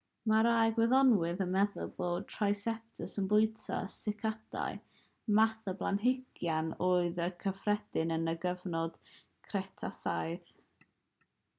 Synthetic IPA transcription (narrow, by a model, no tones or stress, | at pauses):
maɾajɡwɛðɔnwɨðəmɛðʊ̰lˠboːd̚tʰrajsɛp̚tʰəsənbʊɨtʰa̰sɪkʰada̰ɨ | maθəblˠanɦɪɡ̥janoːɨðəkʰəfrɛd̥ɨnənəɡəvnɔd̥ | kʰrɛtʰasajð